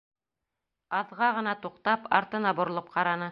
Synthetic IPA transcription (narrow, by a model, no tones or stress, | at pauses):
ɑðʁɑʁɤ̆nɑt̪uqt̪ɑpɑ̰ɾt̪ɤ̆nɑbŏɾŏlˠɤp̚qɑɾɑnɤ